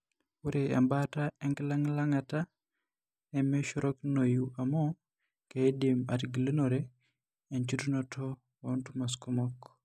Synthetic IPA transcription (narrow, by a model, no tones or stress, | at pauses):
uɾʔea̰mbataɛŋɡlaŋlaŋata | nɛmeʃɔɾʔɔknojuʔamɔ | kedima̰tɡilenoɾe | ent͡ʃutunɔtʰɔ | ontumaskumɔk